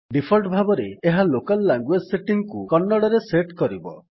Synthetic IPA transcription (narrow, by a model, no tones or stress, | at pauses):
ɖipʰɔɾʈbʱabɔɾeːɦalokalːaŋɡwed͡ʒseʈiŋkukɔnːɔɽɔɾeseʈkɔɾibɔ